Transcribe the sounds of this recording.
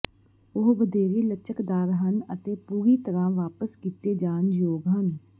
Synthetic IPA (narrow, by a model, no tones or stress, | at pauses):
ʊɦbəd̪eːɾiːlət͡ʃəkd̪aːɾɦənət̪eːpuːɾiːt̪əɾãːʋaːpəskiːt̪eːd͡ʒaːnjoːɡɦən